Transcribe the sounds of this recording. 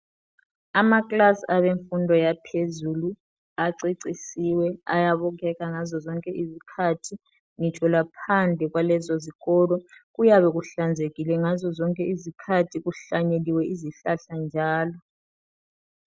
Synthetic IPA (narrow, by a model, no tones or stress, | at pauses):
amakʼlasiaβeɱfundʱɔjapʰezulu | aǀiǀisiwɛa̰jaβɔk̬ʰɛkaŋazɔzɔŋkʼɛʔizikʰatʰi | ŋitʰʼɔlapʰand͡ɮʱɛɣ̬walɛzɔziɣɔlɔɣ̬ujaβɛɣ̬uɬand͡zʱeɣilɛŋazɔzɔŋkʼɛizikʰatʰiɣuɬaɲeliwɛiziɬaɬand͡ʒʱaːlɔ